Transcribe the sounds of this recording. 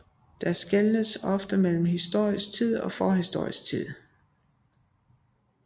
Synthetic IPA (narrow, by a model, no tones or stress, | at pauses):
d̥ɑ̈sɡ̥elnəsɒ̽fd̥əmel̰m̩hisd̥o̝ɐ̰isɡ̥̚t͡sʰið̰ˠɒ̽fɒːhisd̥o̝ɐ̰isɡ̥̚t͡sʰið̰ˠ